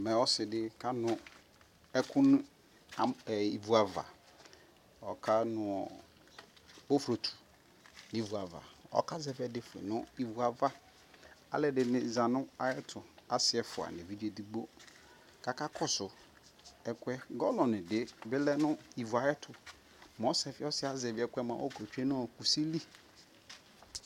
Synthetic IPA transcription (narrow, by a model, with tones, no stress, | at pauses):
mɛ̃˨ɔ˦sɪ˨dɪ˦kʰa˦nʊ̃˨ | ɛ˦kʰʊ̃˦n˦ | a˨i˨vu˨a˨va̰˨ | ɔ˨kʰa˦nʊ̃˨ɔ˨ | bo˦fɾo˨tʰu̥˨ | nɪ̃˦vu˨a˨va̰˨ɔ̰˨˦kʰa˦zɛ˦vɛ˨dɪ˦fḛ˨nʊ̃˦i˨vu˨a˨va˦ | a̰˨lɛ˨dɪ˨nɪ̃˨zã˨nʊ̃˦a˨˦ɛ˦tʰʊ˨a˨sɪ˨ɛ˨fʊ˨a̰˨nɪ̃˨vi˦d͡ʒe˨di˨ɡ͡bo˦ | ka˨ka˦kʰɔ˦sʊ˨ | ɛ˦kwɛ˦ɡɔ˦lɔ̃˨nɪ̃˨dɪ˦bɪ˦lɛ˦nʊ̃˦i˨vu˨a˨jɛ˦tʰʊ˨ | mo˦sɛ˨fɪ˨˦ɔ˦sɪ˦a˨zɛ˨vɪ˨˦ɛ˨kʷɛ˦mã̰˨ʔɔ˦ko˨t͡ʃᶣe˦nʊ̃˦ɔ˨ku˨si˦li˦